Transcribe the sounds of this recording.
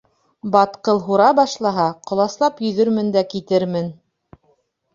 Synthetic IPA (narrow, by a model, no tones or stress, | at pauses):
bɑt̪qɤlˠɦuɾɑbɑʃlˠɑɦɑqŏlˠɑslˠɑpjɵ̆ðɵ̆ɾmɘ̆nd̪ækit̪ɘɾmɘn